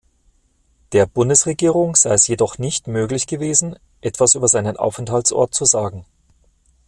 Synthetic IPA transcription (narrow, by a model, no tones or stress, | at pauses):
d̥eːɐbʊndəsʁeɡiːʁʊŋz̥aɪɛsjedɔχnɪçtmøːɡlɪçɡ̥əveːzn̩ | ʔɛtv̥asʔyːbɐzaɪnənʔa̰ʊfɛnthaltt͡sʔɔ̰ɐt̚t͡suzaːɡŋ̩